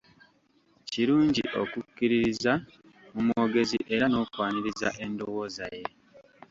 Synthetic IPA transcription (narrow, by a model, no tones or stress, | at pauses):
ciɾuːɲɟiʔo̞̰kukːiɾiɾiza | mumwo̞ːɡe̞zḭʔe̞ɾano̞ːkwaːniɾiza̰ʔe̞ndowo̞ːzaje̞